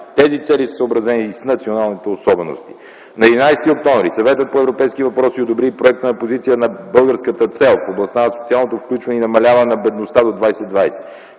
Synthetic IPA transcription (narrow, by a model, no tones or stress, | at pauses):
t̪ɛzit̪sɛlisə̥səːbɾɐzɛnisnɐt̪sionalˠnit̪ɛosɔbɛno̰st̪i̥ | nɐɛd̪inajst̪iok̚t̪ɔ̃ɱvɾisɐvɛt̪ət̪̚poɛvɾopɛjskivɐpɾɔsiod̪obɾipɾoɛk̚t̪ənɐpozit̪sijənɐbɤlˠɡəɾskət̪ət̪sɛlˠfoblˠɐst̪anɐsot̪sialˠnot̪ofklʲut͡ʃvɐnɛinɐmɐlʲavənɛnɐbɛd̪nost̪ad̪od̪vajsɛd̪vajsɛ̥